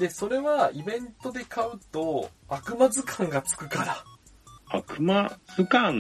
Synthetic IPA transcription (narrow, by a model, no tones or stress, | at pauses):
d̪e̞so̞ɾe̞βaibẽ̞nt̪o̞d̪e̞kʰaɯ̟t̪o̞akɯ̟mazɨkʰãŋɡat͡sɨ̥kɯ̟kaɾa | akɯ̟maz̥ɨkãŋ